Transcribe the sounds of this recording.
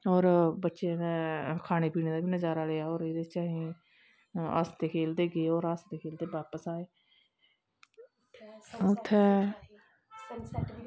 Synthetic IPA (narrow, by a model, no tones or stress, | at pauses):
ɔːɾbətːʃenkʰaːneːpiːneːd̪aːbiːnəzaːɾaːleːaːoːɾeːd̪et͡ʃaːɦĩː | a̰st̪eːkʰeːld̪eːɡeːoːɾast̪eːkʰeːld̪eːbaːpəsaːeː | ʊt̪ʰːɛː